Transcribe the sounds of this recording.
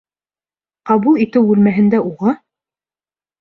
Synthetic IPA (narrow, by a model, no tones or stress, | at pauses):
qɑβulˠit̪ɘwʉlmæɦɘ̆nd̪æuʁɑ